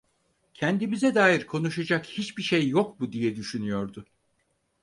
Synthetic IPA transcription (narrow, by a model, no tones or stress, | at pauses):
cʰɛnd̪imizɛd̪aːjiɾkʰo̞nuʃad͡ʒakhit͡ʃbiʃejːok̚bud̪ijɛd̪yʃynyjo̞ɾd̪ʊ